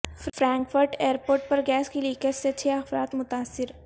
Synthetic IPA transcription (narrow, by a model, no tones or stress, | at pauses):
fɾɛ̃ːŋkfəɾʈeːəɾpoːɾʈ̚pɐɾɡɛːskiliːkəɾset͡ʃʰeːɐfɾa̰ːt̪mʊt̪aːsːɪɾ